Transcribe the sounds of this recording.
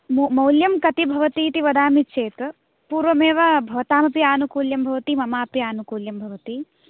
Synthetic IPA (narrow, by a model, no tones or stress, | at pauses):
mmɐwljɐmkɐt̪ibʱɐʋɐt̪iːt̪iʋɐd̪aːmit͡ʃeːt̪ | puːɾʋɐmeːʋɐbʱɐʋɐt̪aːmɐpiaːnukuːljɐmbʱɐʋɐt̪imɐmaːpjaːnukuːljɐmbʱɐʋɐt̪i